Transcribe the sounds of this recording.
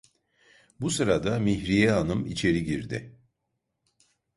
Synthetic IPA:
busɯɾad̪amiçɾijɛanɯmit͡ʃʰe̞ɾiɟiɾd̪ɪ̰

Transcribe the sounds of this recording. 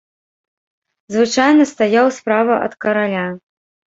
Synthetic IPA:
zvɨt͡ʂajnɐst̪ajawspɾavɐʔɐ̰t̪kɐɾalʲa

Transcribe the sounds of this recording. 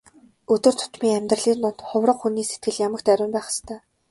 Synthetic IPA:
ɵt̪ɵ̆rt̪ʰʊ̥t̪miːŋæmʲt̪rə̆ɮiːnʊnt̪χʊwrə̆qxuniːset̪̚ɡɘ̆ɮjamə̆kt̪æɾʲʊːmpæːχə̥̆st̪ʰœː

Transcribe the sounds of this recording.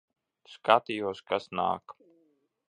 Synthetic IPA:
skat̪ijuɔskasna̰ːk

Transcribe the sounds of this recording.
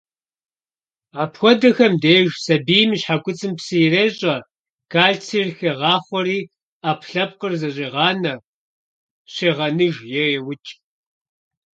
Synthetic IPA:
aːpxʷɔdɐxɐmdeːʒsɐbiːjmiɕħakʷʊt͡sʼɨmpsɨjreːɕʼɐ | kʰaːɮt͡sʰiːrxeʁɑːχʷɔɾiː | aːpʰɬɐp̚qərzɐɕʼiːʁɑːnɐ | ɕeːʁɐnɨʒjɛjɛwʊt͡ʃʼ

